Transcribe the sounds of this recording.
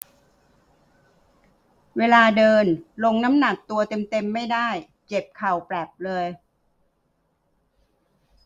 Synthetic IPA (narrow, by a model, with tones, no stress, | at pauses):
weː˧laː˧dɤː˧nlo˧ŋna˦˥mna˨˩t̪̚ːu˧ɐt̪e˧mt̪e˧mːa˥˩jdaː˥˩j | t͡ɕe˨˩p̚kʰa˨˩wpɾɛː˨˩p̚lɤː˧j